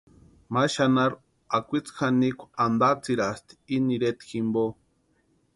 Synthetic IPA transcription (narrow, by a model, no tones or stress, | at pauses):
maʃanaɾ | akʷit͡sxanikʷand̪at͡siɾast̪i̥iniɾet̪ximbo